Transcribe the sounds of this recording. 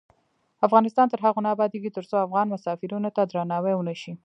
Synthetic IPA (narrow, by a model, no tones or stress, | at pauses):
afɣɑnɪst̪ɑnt̪əɾɦaɣonɑːbɑd̪eɡit̪əɾt͡soafɣɑnmʊsɑfɪɾunot̪ad̪ɾanɑwewənəʃi